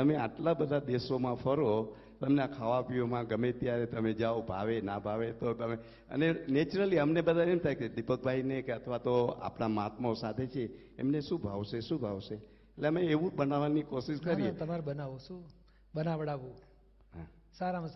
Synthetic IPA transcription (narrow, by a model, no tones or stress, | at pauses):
t̪əmeaʈlabəd̪ʱad̪esomãfʰəɾo | t̪əmneakʰaʋapiomãɡəmet̪ijaɾet̪əmed͡ʒaobʱaʋenabʱaʋet̪ot̪əme | ə̰nenet͡ʃɾəliəmnebəd̪ʱaeemt̪ʰajked̪ipək̚bʱaɦinekeət̪ʰʋat̪oa̰pnamat̪mosat̪ʰet͡ʃʰḛː | mneʃũbʱaʋʃeʃũbʱaʋʃe | eʈleəmeːʋũbənaʋanikoʃiʃkəɾiet̪əmaɾbənaʋoʃũ | bənaʋəɽaʋũ | ɦa | saɾam